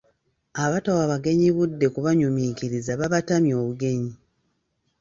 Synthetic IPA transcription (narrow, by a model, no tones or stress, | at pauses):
aβatawaβaɡe̞ɲiβudːe̞kuβaɲumiciɾizaβaβatamjo̞ːβuɡe̞ɲi